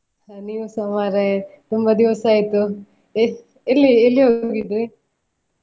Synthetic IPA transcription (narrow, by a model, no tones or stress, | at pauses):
niːʋusɐmaːɾet̪umbɐd̪iʋɐsaːjit̪ːu | elːielːiɦoːɡid̪ɾi